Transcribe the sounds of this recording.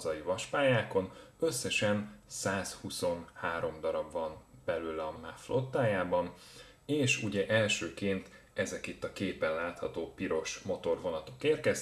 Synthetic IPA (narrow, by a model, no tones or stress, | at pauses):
zɒjivɒʃpaːjaːko̞nø̞sːɛʃɛnsaːshuso̞nhaːɾo̞md̪ɒɾɒbvɒnb̥ɛløːlɒmaflo̞t̪ːaːjaːbɒn | eːʃuɟɛʔɛlʃøːkeːnt̪ | ɛzɛkit̪ːɒkeːpɛnlaːt̪hɒt̪oːpiɾo̞ʃmo̞t̪o̞rvo̞nɒt̪o̞̥keːrkɛz